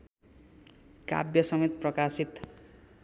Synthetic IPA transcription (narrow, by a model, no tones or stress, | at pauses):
ka̰bjʌsʌmit̪̚prʌkasit̪